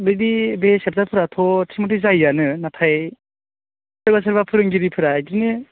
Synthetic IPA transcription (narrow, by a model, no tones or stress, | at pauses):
bɯdibesep̚zapʰɯɾatʰɔtʰimɔtizajːanɯnatʰaj | sɯɾbas̬ɯɾbapʰɯɾɯŋɡiɾipʰɯɾadinɯ